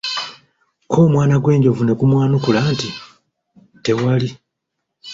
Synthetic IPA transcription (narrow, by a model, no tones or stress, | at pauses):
kʰo̞ːmwaːnaɡwe̞ːɲɟo̞vune̞kumwaːnukulaːnti | te̞wali